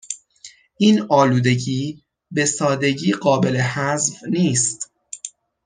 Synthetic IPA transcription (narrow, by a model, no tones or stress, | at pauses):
ʔiːnɒːluːd̪e̞ɟiː | be̞sɒːd̪e̞ɟiːɢɒːbe̞le̞hæzvniːst̪